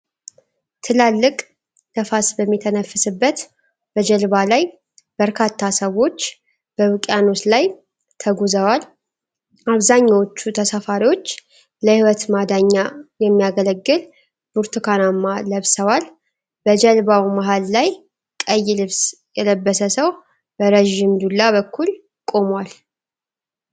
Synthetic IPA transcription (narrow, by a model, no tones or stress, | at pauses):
t̪ʰɨlalːɨkʼ | nəfasbəmːit̪ʰənəfːɨsɨbːət̪ | b̥əd͡ʒɛlβalaj | b̥əɾkʰat̪ʰːasəwo̞t͡ʃː | b̥əwɨkʼjano̞slaj | t̪ʰəɡozəwal | aβzaɲːawot͡ʃːut̪ʰəsafaɾiwo̞t͡ʃː | ləhiwɔt̪mad̪aɲːajɛmːijaɡələɡːɨl | b̥uɾt̪ʰukʰanamːaləβsəwal | bəd͡ʒɛlbawimaɦalːaj | kʼəjːɪlɨβs | jɛləbːəsəsəw | bəɾeʒɪmd̪ulːaβəkʰːul | kʼo̞mwal